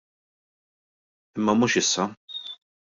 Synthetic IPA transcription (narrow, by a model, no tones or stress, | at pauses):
ɪmːɐmuːʃɪsːɐ